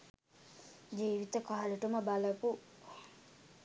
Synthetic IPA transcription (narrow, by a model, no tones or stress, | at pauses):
d͡ʒiːʋit̪əkaːaləʈuməbalɐpu